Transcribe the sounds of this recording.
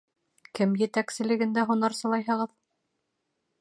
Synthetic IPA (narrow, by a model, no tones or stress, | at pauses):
kɘmjɘ̆t̪æksɘ̆lɘ̆ɡɘ̆nd̪æɦunɑɾsɤ̆lˠɑjɦɤ̆ʁɤð